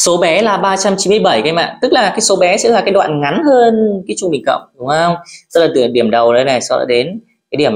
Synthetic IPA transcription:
so˨˦ɓɛ˨˦laː˨˩ɓaː˧t͡ɕa˧mt͡ɕi˨˦mɨ˧əjɓə˧˩jka˨˧jma̰ː˧˨nt̪ɨ˦˥k̚laː˨˩kaː˨˦jso˨˦ɓɛ˨˦sɛ̰˧˥laː˨˩kaː˨˦jɗwa̰ː˧˨nŋa˨˦nhəː˧nkaː˨˦t͡ɕʊ˧ŋ͡mɓï˨˩ŋ̟kə̰˧˨wŋ͡mɗʊ˨˦ŋ͡mzə˧wŋ͡msɛ˧˥laː˨˩t̪ɨ˧˩ə˨ɗi˧˩əmɗə˨˩wɗə˨˦jna˨˩jsɔ˧˨˦ɗa̰ː˧˥ɗe˨˦n | kaː˨˦jɗi˧˩əm

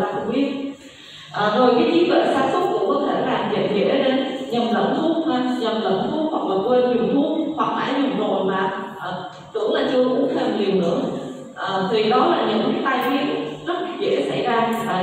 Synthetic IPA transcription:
a̰ː˨˧˩kʊ̰˧˥ŋ͡mɓi˦˥ət̚ | ʔəː˨˩zo˨˩jkaː˨˦jʔi˨˦zwḛ˧˨saː˧sə˦˥k͡p̚kʊ̰˧˥ŋ͡mkɔ˨˦t̪ʰe˧˩laː˨˩mzə̰˧˨nzɛ̰˧˥˨ne˧nɲə˨˩mlə̰˧˩nt̪ʰʊ˧ŋ͡mhaː˧˩ɲə˨˩mlə̰˧˨˩nt̪ʰu˧ŋ͡mhwa˨˩k̚maː˨˩kwe˧ɲi˨˩əwt̪ʰu˧ŋ͡mhwa˨˩k̚ʔa̰ː˧˦jɲə˨˩mzo̰˧˨jmaː˨˩ʔəː˨˩ | kʊ̰˧˥ŋ͡mla̰ː˨˩t͡ɕɨ˧əʔʊ̰˧˥ŋ͡mt̪ʰɛ˧mɲi˨˩əwnɨ̰˧˩˥əŋ | ʔəː˨˩t̪ʰi˨˩ɗɔ˨˦laː˨˩ɲɨ̰˧˥ŋkaː˨˦t̪aː˧jḭ˧˥əzə˦˥t̚ka˧˩zḛ˧˩˥sa̰˧˩jzaː˧˨˩

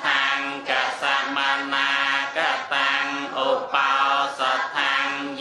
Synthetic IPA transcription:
t̪ʰaː˧ŋka˩saː˧t̪̚ma˧naː˧ka˧˩t̪aː˧ŋʔo˧pasa˧t̪ʰːaː˧ŋj

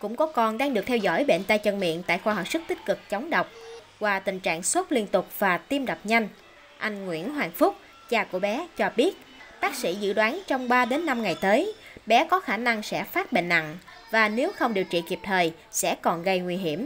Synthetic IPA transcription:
kʊ̰˧˥ŋ͡mkɔ˨˦kɔ˧˩nɗaː˧ŋɗɨ˨˩ək̚t̪ʰɛ˧wzɔ̰˧˥˨jɓḛ˧˨nt̪aː˧jt͡ɕə˧nmḭ˧˨ənt̪a̰ː˧˨jxwaː˧ɦə˨˩p̚sɨ˦˥k̚t̪ï˦˥k̟̚kɨ˨˩k̚t͡ɕə˨˦wŋ͡mɗə˨˩wk͡p̚kwaː˨˩t̪ï˨˩ŋ̟t͡ɕa̰ː˧˨ŋswə˦˥t̚li˧ənt̪ʊ˨˩k͡p̚v̥aː˨˩t̪i˧mɗa˨˩wk͡p̚ɲa˧jŋ̟ | ʔa˧jŋ̟ŋwḭ˧˥ənɦwaː˨˩ŋfʊ˦˥k͡p̚ | t͡ɕaː˧˩ku˧˩əɓɛ˨˦t͡ɕɔ˧ɓi˦˥ət̚ | ɓaː˦˥k̚sḭ˧˥zɨ̰˧˨ɗwaː˨˦nt͡ɕɔ˧wŋ͡mɓaː˧ɗe˨˦nːa˧mŋa˨˩jt̪əː˨˦jɓɛ˨˦kɔ˨˦xaː˧˩na˧ŋsɛ̰˧˥faː˦˥t̚ɓḛ˧˨nːa̰˧˨ŋ | vaː˨˩ne˨˦wxə˧wŋ͡mɗi˨˩əwt͡ɕḭ˧˨ki˨˩p̚t̪ʰəː˨˩j | sɛ̰˧˥kɔ˨˩nɣə˧jŋwi˧ɦi˧˩əm

